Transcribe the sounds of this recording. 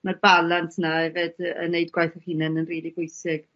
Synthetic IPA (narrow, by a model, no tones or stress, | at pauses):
marbalˠantʰnaɛveːdə̰nejdɡwajθɔhiːnənənriːlˠibʊɨjsɪɡ̥